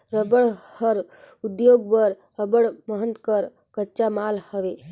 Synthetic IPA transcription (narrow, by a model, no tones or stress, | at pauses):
ɾəbəɽhəɾ | ud̪joɡbəɾ | əbəɽməɦənt̪kəɾ | kətːt͡ʃamalhəʋe